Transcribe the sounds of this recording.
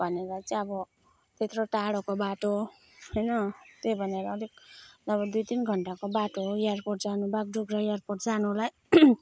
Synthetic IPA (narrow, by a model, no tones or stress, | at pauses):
b̥ʱʌneɾʌt͡sʌ̃ʌbʌ | t̪et̪roʈaɽokobaʈo | hʌjnʌt̪ebʱʌneɾʌːlik̚ʌbʌd̪ujt̪inɡʱʌɳʈakobaʈojearpoʈ̚d͡zanubak̚ɖuɡɾʌjarporʈd͡zanulaj